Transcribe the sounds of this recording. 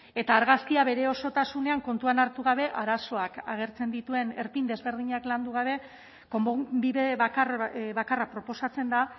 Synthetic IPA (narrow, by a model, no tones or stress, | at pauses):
e̞t̪aːɾɣaskiaβe̞ɾe̞o̞so̞t̪asune̞aŋko̞nt̪uanaɾt̪uɣ̞aβe̞ʔaɾaso̞akaɣ̞e̞ɾt͡se̞nd̪it̪ue̞ne̞ɾpind̪e̞zβe̞ɾð̞iɲakland̪uɣaβ̞e̞ | ko̞mbobiβeβakaβakarapɾo̞po̞sat͡se̞nd̪a